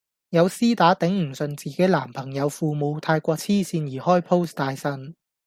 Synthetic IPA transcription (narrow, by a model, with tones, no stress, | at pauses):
jɐ˨˧wsiː˥t̪aː˨˥t̪ɪ˨˥ŋm̩˨˩sɵ˨˧nt͡siː˨ke˨˥jla̰ː˨˩mpʰɐ˨˩ŋjɐ˨˧wfuː˧mo˨˧wt̪ʰaː˧jkʷɔː˧k̚t͡sʰiː˥siː˧njiː˨˩hɔː˥jpʰo˥wst̪aː˧jsɐ˧˥n